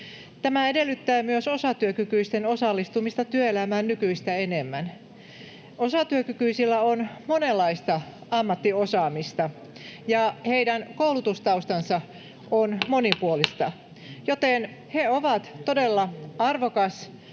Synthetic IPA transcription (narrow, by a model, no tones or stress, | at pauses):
t̪æmæedelːyt̪ːæːmyøsosɑt̪yøkykyist̪enosɑlːist̪umist̪ɑt̪yøelæmæːnnykyist̪æenemːæn | osɑt̪yøkykyisilːæonmonelːɑist̪ɑɑmːɑt̪ːiosɑːmist̪ɑ | jɑheidænkoulut̪ust̪ɑust̪ɑnsɑ | onmonipuolist̪ɑ | jot̪en | heoʋɑt̪todelːɑɑrʋokɑs